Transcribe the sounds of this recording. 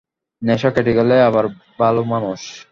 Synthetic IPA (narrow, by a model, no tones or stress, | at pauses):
nɛʃokɛʈiɡaleaβaɾ | balomanuʃ